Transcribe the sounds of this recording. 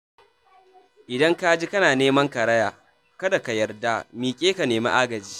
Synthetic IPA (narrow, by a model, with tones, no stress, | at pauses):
ʔɪ˨dɐ˦ŋka˦d͡ʒi˦kɐ˦naː˨neː˦mɐ˦ŋkɐ˨ɾɐ˦jaː˨ | kɐ˦da˨ka˨jɐ˨rda˦miː˨kʲʼeː˦ka˨neː˨ma̰˦ʔa˦ɡɐ˨d͡ʒiː˦